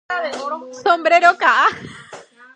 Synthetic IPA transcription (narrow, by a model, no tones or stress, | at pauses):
sombɾeɾokaʔa